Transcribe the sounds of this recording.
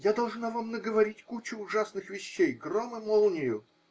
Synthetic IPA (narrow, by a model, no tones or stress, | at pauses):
jad̪ɐlˠʐnavamnəɡəvɐɾʲitʲkut͡ɕʊːʐasnɨxvʲɪɕːejɡromɨmolˠnʲɪjʊ